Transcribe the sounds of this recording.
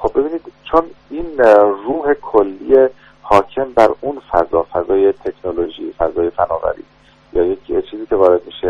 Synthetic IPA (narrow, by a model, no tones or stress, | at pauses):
xob̚be̞biːniːd̪̥t͡ʃʰoniːnruːhe̞kʰolːije | hɒːcʰe̞mbæɾunfæzɒːfæzɒːje̞t̪ʰe̞kʰnolo̞ʒḭːfæzɒːje̞fæ̰nɒːvæ̰ɾḭː | jɒːjecʰt͡ʃʰiːziːkʰe̞vɒːɾe̞d̪̚miːʃe